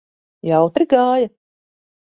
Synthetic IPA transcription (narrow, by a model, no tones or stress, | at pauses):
jawt̪ɾiɡaːja